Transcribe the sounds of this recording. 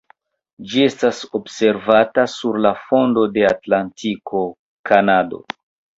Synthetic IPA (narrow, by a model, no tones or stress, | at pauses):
d͡ʒie̞staso̞bse̞ɾvatasuɾlafo̞ndo̞de̞atlantikʰo̞ | kʰanado̞̰